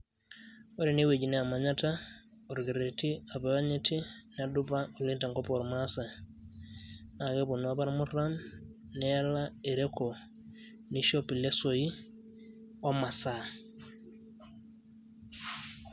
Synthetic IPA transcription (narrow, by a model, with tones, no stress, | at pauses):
waɾi˨niwe˨ɟi˨ne˦a˨maɲata | o˨ɾɡi˨ɾeti˦a˨bawa˦ɲeti˦nadubao˨linta˨ŋkopoɾmasa | na˨ɡe˦bu˨naba˦ɾmu˦ra˦n | nɛja˦lae˨ɾeko˨ | niʃo˦pi˨le˦soji | o˦ma˨sa